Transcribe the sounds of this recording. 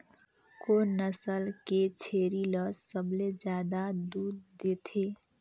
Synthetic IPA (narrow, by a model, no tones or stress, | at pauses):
konəsəlket͡ʃʰeːɾiləssəbled͡ʒjaːd̪ad̪uːɾd̪et̪ʰe